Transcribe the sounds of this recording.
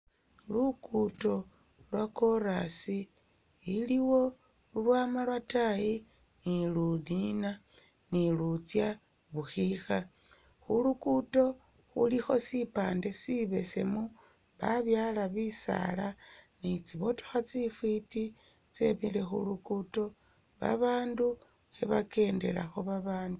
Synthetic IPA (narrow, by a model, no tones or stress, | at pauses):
lukuto̞ | lwako̞ɾasiː | liwo̞ | ulwaːmalwatai | nilunina | nilut͡sja | βuxixa | xulukuto̞ | xṵlixo̞̰sipaːnde̞siβe̞se̞mu | βaβjalaβisa̰lanit͡siβo̞to̥xat͡sifwiti | t͡se̞̰mile̞xṵlukuto̞ | βa̰βaːndu | xeβake̞ːnde̞̰la̰xo̞βaβaːndu